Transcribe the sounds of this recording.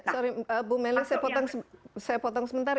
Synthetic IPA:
sɔɾiəbumɛlisaapɔt̪ɔŋssajapɔt̪ɔŋsəmənt̪ar

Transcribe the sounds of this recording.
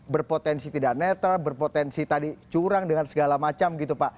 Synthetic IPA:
bərpot̪ɛnsit̪idaʔ̚nɛt̪albərpot̪ɛnsit̪adit͡ʃuɾaŋdəŋansəɡalamat͡ʃamɡit̪upaʔ

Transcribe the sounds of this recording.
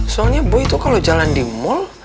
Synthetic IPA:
sɔalɲabɔit̪ukalod͡ʒalandimɔl

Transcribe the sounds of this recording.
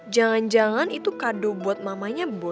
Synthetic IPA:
d͡ʒaŋand͡ʒaŋanit̪ukadobuat̪̚mamaɲab̪

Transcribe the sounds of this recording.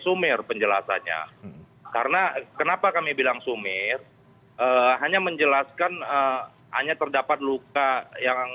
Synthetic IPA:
sumɪrpəɲd͡ʒəla̰sa̰ɲa̰ | kaɾənakənapakamibilaŋsumɪr | əːɦaɲaməɲd͡ʒəlaskanə | ha̰ɲat̪ərdapat̪̚lukaja

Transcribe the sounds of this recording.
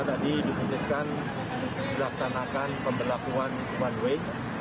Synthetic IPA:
dadidipulɪskan | ilaksanakanpəmbərlakuan | uwanwe

